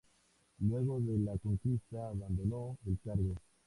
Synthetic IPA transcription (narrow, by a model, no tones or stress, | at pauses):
lweɣoðelakoŋkist̪aːβand̪onoelkaɾɣo